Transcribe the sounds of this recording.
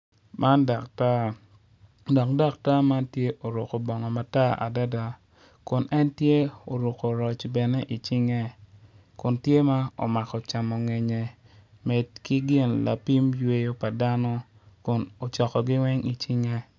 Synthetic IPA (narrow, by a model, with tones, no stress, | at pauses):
mʔa˦nda˨kta˦ | dɔ˨kda˦k̚ta˦ma˦ntje˦ʔo˨ɾʊ˨ko˨bɔ˨ŋɔ˨ma˨ta˦ʔa̰˨da˦da˨ | kʊ˨nʔɛ˦ntje˦o˨ɾo˨ko˨ɾɔ˨t͡ʃbɛ˨nɛ˦ʔi˨t͡ʃi˦ŋe˦ | kʊ˨ntje˦ma˦o̰˨ma˨kɔ˨t͡ʃa˨mɔ˨ŋe˨ɲe˨ | me˨d̚ki˦ɡɪ˦nla̰˨pi˦mjwe˦jo˦pa˨da˦nɔ˦ | kʊ˨no˨t͡ʃɔ˨kɔ˨ɡɪ˦wɛ˦ŋi˨t͡ʃi˦ŋe˦